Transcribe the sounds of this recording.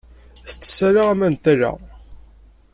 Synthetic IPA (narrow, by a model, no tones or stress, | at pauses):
θət͡sːə̥sːaɾaæmænt̪æɾa̰